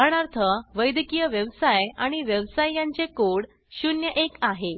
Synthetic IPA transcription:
ɽ̃aɾt̪ʰəʋəjd̪ikijəʋjəʋsajaɽ̃iʋjəʋsajːaɲt͡sekoɽ | ɕunjəʔekaɦe

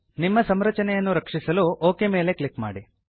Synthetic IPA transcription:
nimːɐsɐmɾɐt͡ʃɐnɛjɐnːuɾɐkʂisɐluʔoːke̞me̞ːle̞kɭikma̰ːɽi

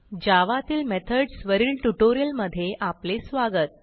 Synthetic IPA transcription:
d͡ʑaʋat̪iːlmɛt̪ʰəɖsʋəɾiːlʈuʈoɾijəlməd̪ʱːjeʔaplesʋaɡət̪̚

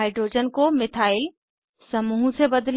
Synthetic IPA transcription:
aɪɖɾoːd͡ʒənkomɪt̪ʰaːɪl | sɐmuːɦsebɐd̪l

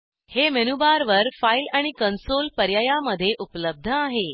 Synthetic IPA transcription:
hemenubaɾʋəɾfailaɽ̃ikənsolpəɾjəjaməd̪ʱːjeʔupləb̚d̪ʱəaɦe

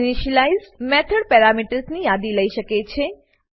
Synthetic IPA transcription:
niʃəlaizmɛt̪ʰəɽpɛɾamiʈəɾsnijad̪iləiʃəket͡ʃʰe

